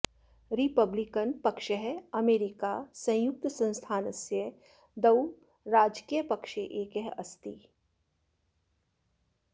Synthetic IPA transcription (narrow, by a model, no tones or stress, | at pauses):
ɾipɐblikənpɐkʃəɦɛɐmeːɾikasɐ̃jʊk̚t̪əsɐ̃nst̪ʰaːnɐsjə | d̪ɐw | ɾaːd͡ʒkijəpɐkʃeʔeːkeɦɐst̪i